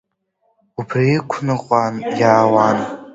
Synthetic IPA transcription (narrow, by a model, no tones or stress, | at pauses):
upʰriikʷʰnɨqʷʼanjaːwan